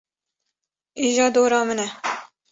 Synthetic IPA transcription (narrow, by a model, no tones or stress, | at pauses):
iːʒɑːd̪oːɾɑːmɨnɛ